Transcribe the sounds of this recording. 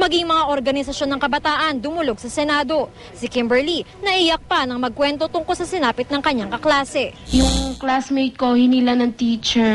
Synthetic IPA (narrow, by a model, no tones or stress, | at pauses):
mɐɡiŋmɐŋaʔoɾɡɐnɪsɐʃo̞nːɐŋkɐbɐt̪aːʔɐnd̪ʊmʊlo̞ɡ̚sɐsɛnaːd̪o̞ | sɪkimbɛɹli | nɐʔijɐk̚panɐŋmɐɡ̚kwɛnt̪o̞t̪ʊŋko̞sɐsɪnaːpɪt̪̚nɐŋkɐɲːaŋkɐklaːsɛjʊŋklasmɛj̪̚kohɪnilanɐŋt̪iːt͡ʃɛɹ